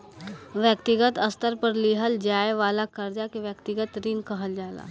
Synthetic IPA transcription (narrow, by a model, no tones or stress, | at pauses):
ʋjəkt̪ɪɡət̪əst̪əɾpəɾliɦəld͡ʒaːeʋaːlakəɾd͡ʒakeʋjəkt̪ɪɡət̪ɾiːnkəɦəld͡ʒaːla̰ː